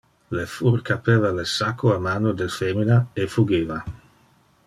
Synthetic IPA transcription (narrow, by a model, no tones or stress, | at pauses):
lefurkapevalesakʰːoamaːnod̪elfeminaefuɡeːva